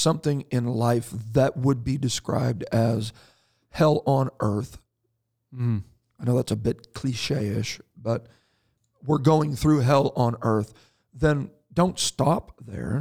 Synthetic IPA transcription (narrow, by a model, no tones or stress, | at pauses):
sʌ̃mθɪ̃ŋɪ̃nlaɪfðɨt̚wəd̚bidɨskɹa̰ɪb̚dɨz̥ | hɛlˠə̃nʔɜ˞θ | aɪnoʊðætsəbɪt̚kʰl̥iʃeɪɪʃb̥ʌt̚ | wɪɹɡoʊɪ̃ŋθɹʉɦɛlˠə̃nɜ˞θ | ðɨ̃n | d̥õʊ̃ntstɑp̚ðə̰˞